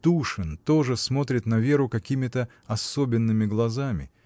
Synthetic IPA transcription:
t̪uʂɨnt̪o̞ʐɨsmo̞t̪ɾʲɪt̪nɐvʲe̞ɾʊkɐkʲimʲɪt̪ə | ɐsobʲɪnːɨmʲɪɡlˠɐzamʲɪ̰

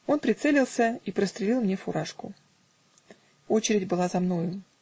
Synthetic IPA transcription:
o̞npɾʲɪt̪sɛlʲɪlˠsʲəipɾəst̪ɾʲɪlʲilˠmnʲefʊɾaʂkʊ̰ | o̞t͡ɕɪɾʲɪdʲbɨlˠazɐmno̞jʊ

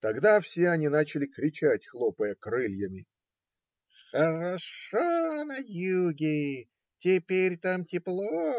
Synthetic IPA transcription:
t̪ɐɡd̪afsʲeɐnʲinat͡ɕɪlʲɪkɾʲɪt͡ɕætʲxlˠopəjəkɾɨlʲjəmʲɪ | xəɾaʂonɐjuɡʲɪ | tʲɪpʲeɾʲt̪amtʲɪplˠo

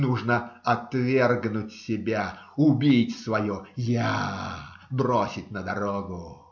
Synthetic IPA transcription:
nuʐnəɐt̪vʲerɡnʊtʲsʲɪbʲaʊbʲitʲsvɐjuja | bɾosʲɪt̚ʲnəd̪ɐɾoɡʊ

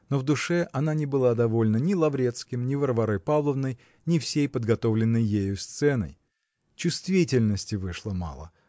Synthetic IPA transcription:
no̞vd̪ʊʂɛʔɐn̪anʲɪbɨlˠad̪ɐvo̞lʲnənʲɪlˠɐvɾʲe̞t̪skʲɪmnʲɪvərvɐɾojpavlˠəvnəj | nʲɪfsʲejpəd̪ɡɐt̪o̞vlʲɪnːəjːejʊst̪sɛnə̰j | t͡ɕʊst̪vʲitʲɪlʲnəsʲtʲɪvɨʂlˠəma̰lˠə̰

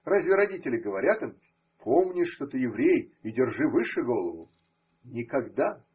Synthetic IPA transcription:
razʲvʲɪɾɐdʲitʲɪlʲɪɡəvɐɾʲat̪ɨm | pʰomnʲɪʂːt̪ot̪ɨjɪvɾʲejidʲɪrʐɨvɨʂɨɡo̞lˠəvʊ | nʲɪkɐɡd̪a

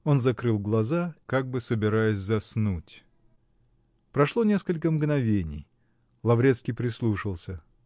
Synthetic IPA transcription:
o̞nzɐkɾɨlˠɡlˠɐzakaɡ̚bɨsəbʲɪɾajɪsʲzɐsnutʲ | pɾɐʂlˠo̞nʲe̞skəlʲkəmɡnɐvʲenʲɪ̰j | lˠɐvɾʲet̪skʲɪjpɾʲɪslˠuʂəlˠsʲə

